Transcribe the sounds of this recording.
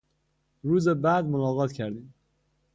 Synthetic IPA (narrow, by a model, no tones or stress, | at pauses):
ɾuːzebæːd̪monɒːɣɒːt̪ʰcʰæɾd̪iːm